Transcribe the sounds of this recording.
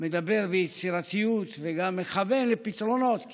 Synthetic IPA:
med̪abeʁbejet͡siʁat̪ijut̪veɡamːeχavenlepit̪ɾonot̪

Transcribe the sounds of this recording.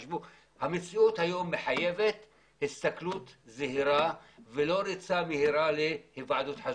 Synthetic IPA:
ʃvu | hamet͡siut̪hajo̞mːeħajevet̪ | hist̪aklut̪zeɦiɾavelo̞ɾit͡samehiɾalehivʕad̪ut̪ħa

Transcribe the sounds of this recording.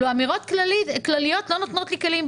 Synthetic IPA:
uamiɣoːt̪klalɪjoːt̪lonot̪noːt̪likaliːm

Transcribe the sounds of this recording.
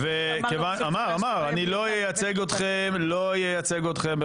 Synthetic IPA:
ve | kevanamaʁamaʁanilojejat͡seɡot̪χemlojejat͡seɡot̪χembe

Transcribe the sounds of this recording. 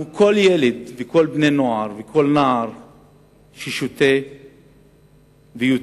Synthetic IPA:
ukʰoljeled̪vikolbnenoaɾvekʰolnaɾ | ʃiʃut̪e | veju

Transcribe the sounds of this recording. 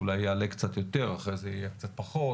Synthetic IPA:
ulajaːlekt͡sat̪jo̞t̪e̞ʁaχʁejzeijek̚t͡sat̪̚paχo

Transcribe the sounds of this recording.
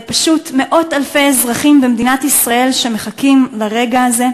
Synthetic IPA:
paʃutme̞ʔo̞talfe̞jezʁaχimbemd̪inatisʁae̞lʃemeχakimlaʁe̞ɡaːze̞

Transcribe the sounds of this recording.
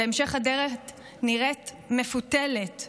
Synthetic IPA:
eemʃe̞χhadeʁe | niʁet | me̞futelet

